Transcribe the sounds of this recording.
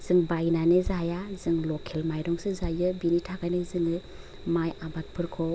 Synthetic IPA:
z̥ɯŋbajnanɯzajazɯŋlɔkʰelmajdɔŋsɯzajɯbinitʰakajnɯzɯŋɯ | majabat̚pʰɯɾkʰɔ

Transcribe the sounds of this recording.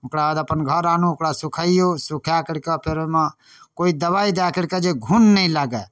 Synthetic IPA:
ʊkɽabad̪əpənɡʱəɾanuʊkɽasukʰaijosukʰjakɪɽkɛpʰeɾemã | koid̪əbaid̪akɪɽkɛd͡ʒeɡʱunːəĩlaːɡɛ

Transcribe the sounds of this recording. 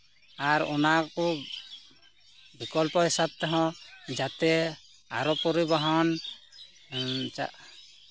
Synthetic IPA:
aɾɔ̰naku | bʱikɔlpɔɦisab̚t̪ɛɦɔ̃d͡ʒat̪ɛ | aɾɔpɔɾibɔɦɔn | t͡ʃa̰

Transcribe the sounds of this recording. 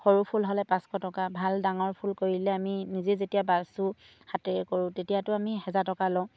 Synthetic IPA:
xoɹupʰulɦɔlɛpãskʰɔtɔkabʱaldaŋɔɹpʰulkoɹilɛaminizezetijabaɹsʊ | hatɛɛkoɹʊ̃tetijatʊamiɦɛzaɹtɔkalɔ̃

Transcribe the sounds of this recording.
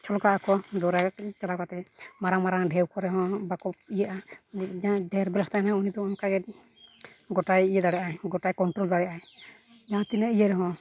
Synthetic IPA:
t͡ʃʰɔlɔkaʔakɔd̪ɔɾat͡ʃalakat̪ɛmaɾaŋmaɾaŋɖʱɛwkɔɾɛɦɔ̃bakɔpijaʔad͡ʒadɛɾbɛlst̪anaunid̪ɔamkaɡɛ | ɡɔʈajijad̪aɽɛjʔaɡɔʈajkɔnʈɾold̪aɽɛjaʔa | d͡ʒaãt̪inɛijɛɾɛɦɔ̃

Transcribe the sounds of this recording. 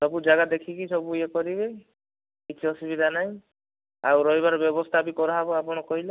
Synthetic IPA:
sɔbud͡ʒaɡad̪ekʰikisɔbuekɔɾibe | kit͡ʃʰiɔsibid̪ʱanaɦĩ | a̰wɾɔɦiβaɾɔbjɔbɔst̪ʰabikɔɾɔɦabɔapɔɽ̃ɔkɔɦila

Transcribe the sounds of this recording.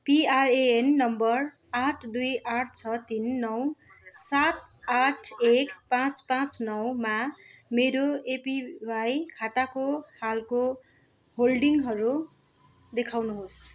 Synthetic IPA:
piareenːʌmbʌr | aʈʰd̪ujaʈʰt͡sʰʌt̪inːʌw | sat̪̚ | aʈʰekpãt͡spãt͡snʌwmameɾoepiwajkʰat̪akohalko | holɖiŋɦʌɾu | d̪ekʰawnuɦos

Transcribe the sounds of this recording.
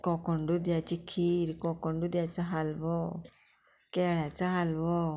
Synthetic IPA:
kɔkɔɳɖud̪jat͡ʃikʰiɾkɔkɔɳɖud̪jat͡saɦalbɔ | kɛɽat͡saɦalbɔ

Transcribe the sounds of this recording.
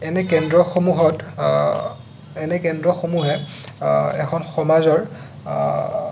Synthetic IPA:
ɛnɛkɛndɹɔxomuɦɔt | ɛnɛkɛndɹɔxomuɦɛ | ɛ̰kʰɔnxɔmazɔɹ

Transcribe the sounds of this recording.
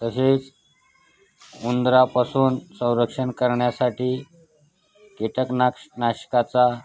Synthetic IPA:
t̪əset͡s | und̪ɾapasuːnsə̃w̃ɾəkʂənkəɾɳjasaʈiː | keʈəknkʂnaɕkat͡sa

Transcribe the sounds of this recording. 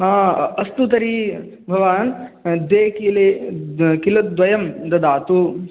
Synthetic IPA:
ɦãːɐst̪ut̪ɐɾiː | bʱɐʋaːnd̪eːkile | kilɐt̪̚d̪ʋɐjɐmd̪ɐd̪aːt̪u

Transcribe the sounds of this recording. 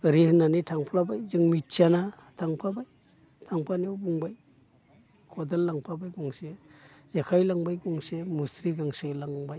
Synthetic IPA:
ɾihnanitʰaŋpʰlabajzɯŋmitt͡ʃanatʰaŋpʰabaj | tʰaŋpʰaniwbuŋbaj | kʰɔdalːaŋpʰabajɡɔŋsezakʰajlaŋbajɡɔŋsemusɾiɡaŋsɯjlaŋbaj

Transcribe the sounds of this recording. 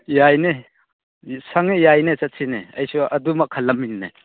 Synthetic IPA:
jajne | saŋejajnet͡ʃɐt̚sʰinḛɐjsuʔɐdumɐkʰːɐlːɐmːinna̰

